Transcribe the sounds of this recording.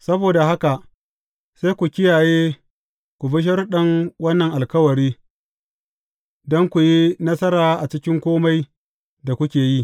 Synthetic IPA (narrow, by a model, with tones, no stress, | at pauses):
sɐ˦boː˨da˨ɦa˦ka˨ʔ | se˦jkʷu˨kʲɪ˦jaː˨jeː˦ | kʷu˨bɪ˦ʃ̬ɐ˦rɗɐ˦ŋwɐ˦nːɐ˨ŋʔa˨lkɐ˦wɐ˨ɾiː˦ | dɔ˦ŋkʷu˨ji˦nɐ˦sɐ˦ɾaː˨ʔa˨t͡ʃɪ˦kʲɪ˦ŋkʷoː˦ma˦j | da˨kʷʊ˦kʲeː˨ji˦˨